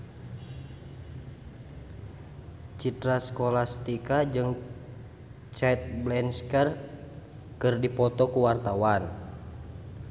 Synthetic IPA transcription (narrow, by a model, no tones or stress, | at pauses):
t͡ʃit̪ɾaskɔlast̪ikad͡ʒɨŋ | t͡ʃɛt̪̚blɛnskər | kɨrdipɔt̪ɔkuwart̪awan